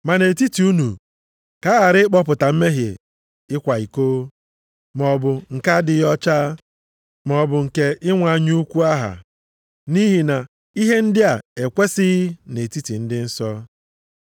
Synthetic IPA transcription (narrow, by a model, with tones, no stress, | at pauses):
ma˨ne˨ti˦ti˨u˦nu˨ | ka˦a˨ɾɪ˦k͡pɔ˦p̬ʊ˨ta˨m̩˦me˦ɦjḛ˨ | ɪ˦kʷa˨i˨koː˦ | mɔ˨bʊ˨ŋ̩˨ka˦dɪ˨jɔ˦t͡ʃaː˦ | m˨ɔ˨bʊ˨ŋ̩˨ke˨ɪ˦ŋʷa˨˦ɲu˦kʷu˦a˦ɦa̰˨ | ni˦ɦi˨na˨ | i˦ɦe˦n̩˦dɪ˦a˨e˨kʷe˦sɪ˦ne˨ti˦ti˨n̩˦dɪ˦n̩˦sɔ˦